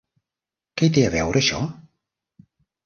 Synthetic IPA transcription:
kɛjt̪̬eəβɛwɾʔəʃɔ̰

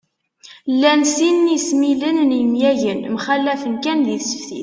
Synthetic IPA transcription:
lːænsinːismilənnəmjæʝənmχælːæfənkænjiθsə̥fθḭθ

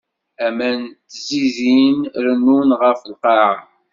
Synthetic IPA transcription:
æmænt̪zizinɾənːunʁəfəlqɑʁ

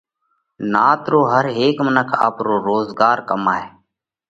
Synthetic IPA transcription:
naːt̪ɾoːɦəɾeːkmənəkʰa̰ːpɾoːɾoːzɡaːɾkəmaːɦeː

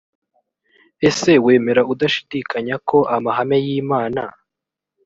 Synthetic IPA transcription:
e̞se̞we̞ːme̞ɾaudaʃi̥dikʰaɲako̞ʔamaɦame̞jiːmaːna

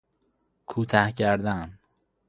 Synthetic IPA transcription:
kʰuːt̪ʰæhcʰæɾd̪æm

